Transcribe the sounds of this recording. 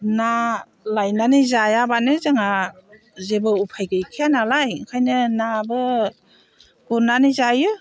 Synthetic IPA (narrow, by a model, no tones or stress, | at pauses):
na | lajnanɯjzajabanɯzɯŋa | zebɯupʰajɡɯjkʰianalajkʰajnɯnabɯ | ɡ̥unanɯjzajɯ